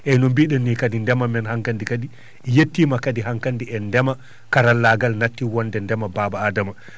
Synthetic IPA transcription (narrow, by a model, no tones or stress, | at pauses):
ʔɛnɔmbiɗɛnːikadindɛmamɛnhaŋkandikadi | jetːimakadiɦaŋkandiɛndɛma | kaɾalːaɡalnatːiwɔndɛndɛmababaːdama